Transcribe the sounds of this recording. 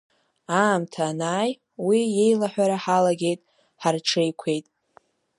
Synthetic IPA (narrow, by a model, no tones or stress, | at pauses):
aːmtʰaːnaːj | wiːe̞jlaħʷᶣaɾaħalaɡʲe̞jtʼ | ħarʈ͡ʂʰe̞jkʷʰe̞jtʼ